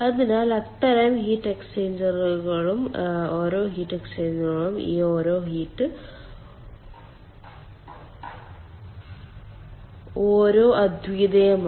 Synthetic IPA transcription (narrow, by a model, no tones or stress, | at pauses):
ɐðinaːlɐt̪ːɐɾɐmhiːʈːekseːnd͡ʑɐrɣɐɭumoːɾoːɦiːʈːekseːnd͡ʑɐrɣɐɭumḭːoːɾo̞ːɦiːʈːɨ | oːɾo̞ːʔɐd̪ʱʋid̪ɐjɐm